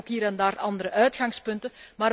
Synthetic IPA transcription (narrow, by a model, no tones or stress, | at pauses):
okɦiːɾɛndaːrɑnd̪əɾəʔœɥtxɑŋspɵntəmaːr